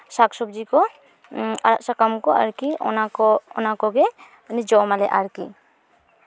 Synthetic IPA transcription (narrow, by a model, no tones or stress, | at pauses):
saksɔb̚d͡ʒikɔ | aɾaʔsakamkɔa̰ɾkiɔnaɔɔnakɔɡɛ | nid͡ʒɔmalɛ̰ʔaɾki